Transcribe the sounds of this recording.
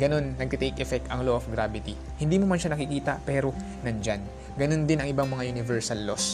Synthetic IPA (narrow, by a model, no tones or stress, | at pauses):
ɡɐno̞nːɐɡ̚t̪ɐt̪ejkʔɛfɛk̚t̪ɐŋloʔofɡɾabɪt̪i | hɪnd̪imomɐnʃanɐkɪkiːt̪ɐpɛːɾo̞ | nɐnd͡ʒan | ɡɐno̞nd̪ɪnɐŋɪbaŋmɐŋajʊnɪvɛɹsɐlːos